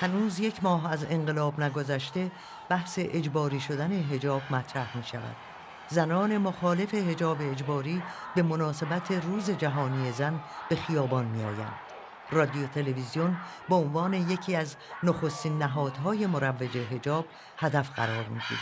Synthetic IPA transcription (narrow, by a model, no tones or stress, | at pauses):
hænuːzje̞cʰmɒːɦæze̞ŋɢe̞lɒːbnæɡo̞zæʃ̬t̪e̞ | b̥æhse̞ʔed͡ʒbɒːɾiːʃo̞d̪æne̞ɦe̞d͡ʒɒːb̚mæt̪ʰɾæhmiːʃævæ̰d̪̥ | zænɒːne̞moxɒːle̞fe̞ɦe̞d͡ʒɒːbe̞ːd͡ʒbɒːɾiːbe̞mo̞nɒːse̞bæt̪ʰe̞ruːze̞d͡ʒæɦɒːnije̞zænb̥e̞xijɒːbɒːnmiɒːjæ̰nd̪̥ | rɒd̪iot̪ʰe̞le̞vizijo̞nbeonvɒːne̞je̞cʰiːæz | noxo̞st̪iːnːæɦɒːd̪̥ɦɒːje̞moɾævːed͡ʒe̞ɦe̞d͡ʒɒːb̥̚ | hæd̪æfɢæ̰ɾɒːɾmḭːɡ̥ḭːɾ